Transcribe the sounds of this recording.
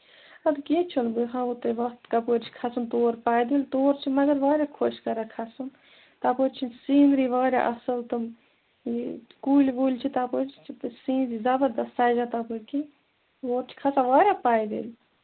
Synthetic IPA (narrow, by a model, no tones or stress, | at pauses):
ɐd̪keːt͡ʃʰunbɨɦãːut̪ɐʋɐt̪kapoːɾt͡ʃʰi̥kʰɐsɨnt̪oːɾpaːjd̪elʲt̪oːɾt͡ʃʰimɐɡəɾʋaːɾʲakʰoʃkɐɾakʰɐsɨn | t̪apoɾt͡ʃʰinsiːnɾiʋaːɾʲa̰ʔɐsəlt̪ɨm | kuːlʲʋuːlʲt͡ʃʰit̪apoɾt͡ʃʰt͡ʃʰipsiːnɾizɐbəɾd̪ɐst̪aːjd͡ʒat̪apuɾʲki | ʋoːɾt͡ʃʰi̥kʰɐsãʋaːɾʲapaːjd̪ḛːlʲ